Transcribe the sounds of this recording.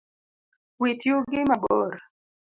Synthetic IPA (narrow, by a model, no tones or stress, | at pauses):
witjʊɡɪmabo̰ɾ